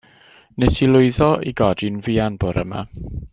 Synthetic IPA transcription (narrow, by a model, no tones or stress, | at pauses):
nɛsʰilˠʊɨðɔʔiɡɔdinviːanbʊɾə̰ma̰